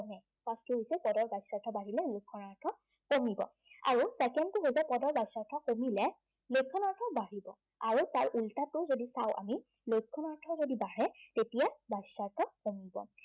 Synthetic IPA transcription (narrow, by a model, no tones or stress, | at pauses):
nɛ | pastiɦojsɛpɔdɔɹbajsaɹtʰɔbaɹilɛlojkʰːɔnaɹtʰɔ | komibɔ̰ | a̰ɹusɛkɛnkʊɦojzɛpɔdɔɹbajsaɹtʰɔkomilɛ | lojkʰːɔnaɹtʰɔbaɦibɔ̰ | aɹutaɹʔultatʊzodisawʔa̰mi | lojkʰːɔnaɹtʰɔɹzodibaɹɛtetijabasaɹtʰɔkomibɔ̰